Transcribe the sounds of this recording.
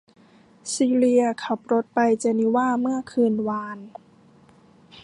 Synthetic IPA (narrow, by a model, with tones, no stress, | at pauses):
siː˧li˧ɐkʰa˨˩p̚ɾo˦˥t̪̚pa˧jt͡ɕa˧ni˦˥waː˥˩mɯ˥˩ɐkʰɯː˧nwaː˧n